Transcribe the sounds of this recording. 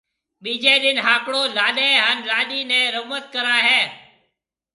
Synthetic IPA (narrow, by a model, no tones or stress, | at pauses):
ɓiːd͡ʒeːɗɪnɦaːkɽoːlaːɗẽːɦaːnlaːɗiːnɛ̃ːɾəmət̪̚kəɾaːɦeː